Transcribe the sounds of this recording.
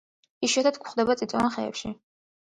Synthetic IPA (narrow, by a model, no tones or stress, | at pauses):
iʃɛt̪ʰat̪ʰkʰχd̪ɛbat̪sʼit̪sʼɔvanχɛɛ̰pʃi